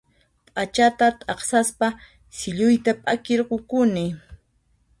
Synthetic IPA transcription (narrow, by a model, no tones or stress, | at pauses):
pʼat͡ʃat̪at̪ʼɑχsaspa | sɪʎʊjt̪apʼakɪɾɢʊkʊnɪ